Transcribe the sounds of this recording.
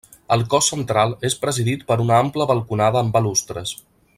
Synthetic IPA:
əlˠkɔsːənt̪ɾalˠespɾəziðit̪pəɾunəampləβəlˠkunaðəːmbəlust̪ɾəs

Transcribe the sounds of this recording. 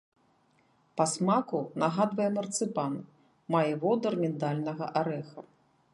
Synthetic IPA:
pɐsmakunaɣad̪vɐjɛmɐrt̪sɨpan | majɛvɔd̪ɐrmʲɛd̪alʲnɐɣɐʔaɾɛxɐ

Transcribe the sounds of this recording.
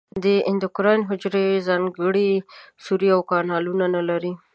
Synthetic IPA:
d̪əɪnd̪ʊkɾɑjnɦʊd͡ʒɾezɑŋɡəɽisuɾiawkɑnɑlunanalaɾi

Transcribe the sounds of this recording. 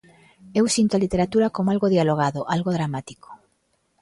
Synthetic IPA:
ewsint̪oalit̪eɾat̪uɾakomoalɣoðjaloɣ̞aðoʔalɣoðɾamat̪i̥ko̥

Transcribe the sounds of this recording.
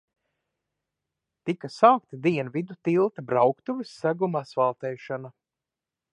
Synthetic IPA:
t̪ikasaːk̚t̪ad̪iɛnvid̪ut̪ilˠt̪abɾawkt̪uvɨsːaɡumasvalˠt̪ɛːʃana

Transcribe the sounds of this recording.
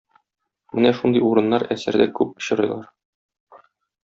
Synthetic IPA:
mɘnæʃund̪ɤjuɾɤ̆nːɑɾæsæɾd̪ækʉp̚ŏ̥ɕɤ̆ɾɤ̰̆jlˠɑɾ

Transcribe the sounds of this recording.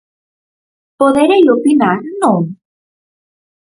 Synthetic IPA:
poðeɾejopinaɾnõ

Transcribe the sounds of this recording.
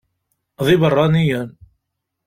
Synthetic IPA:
ðˤɪbərˤːɑnijæn

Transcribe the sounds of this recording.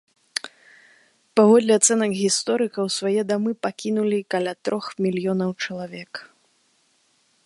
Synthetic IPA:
pavɔd̪lʲɛat̪sɛnɐkɣʲist̪ɔɾɨkɐwsvajɛd̪amɨpakʲinulʲikalʲat̪ɾʔɔxmʲilʲjɔnɐwt͡ʂɐlˠavʲɛk

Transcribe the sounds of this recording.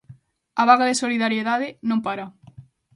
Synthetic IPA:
aβaɣaðesoliðaɾjeðaðɪnõmpaɾa

